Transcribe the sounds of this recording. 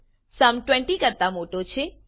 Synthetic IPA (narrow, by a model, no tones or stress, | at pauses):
səmʈwɛ̃ɳʈikəɾt̪amoʈot͡ʃʰe